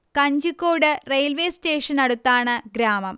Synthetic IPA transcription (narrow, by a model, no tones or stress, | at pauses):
kɐɲd͡ʑukːoːɽɨrejlʋe̞ːste̞ːʂɐnɐɽut̪ːaːɳɨɡɾaːmɐm